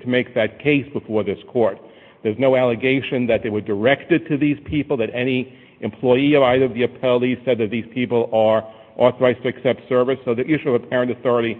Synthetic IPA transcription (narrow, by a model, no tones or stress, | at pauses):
tʰɨmeɪk̚ðɨt̚kʰeɪsb̥əfɔɹðɪskʰɔɹt̪̚ | ðə˞znoʊælˠɨɡeɪʃɨ̃nðɨt̪̚ðeɪwə˞də˞ɛktɨd̚tʰɨðiz̥pʰipl̩ˠðɨɾɛni | ʔɨ̃mpʰl̥ɔɪiʌvaɪɾə˞ʌvðiɨpʰɛlˠi̥sɛd̪̚ðɨt̪̚ðiz̥pʰipl̩ˠə˞ | ʔɔθə˞aɪz̥tʰɨɨksɛp̚tsɜ˞vɨsoʊðɨʔɪʃuʌvɨpʰɛɹɨ̃ntɨθɔɹɨɾi